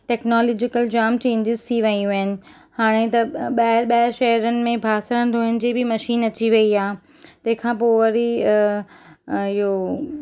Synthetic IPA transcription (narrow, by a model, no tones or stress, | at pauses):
ʈɛːknɔːlɔːd͡ʑɪkəld͡ʑaːmt͡ɕẽːɲd͡ʑɪzt̪ʰiʋɐiũɦɪnɪ̆ | haːɽ̃ẽt̪ɐɓaɾɓɐɪʃɐɦəɾənɪ̆mẽbʱaːsəɾə̃nd̪oːɦɪnɪ̆d͡ʑeːbʱɪmɐʃiːnɐt͡ɕiʋɐiaːɦ | t̪ɐ̃ɦɪ̃kʰãːpoːʋɐɾi | ɪɦo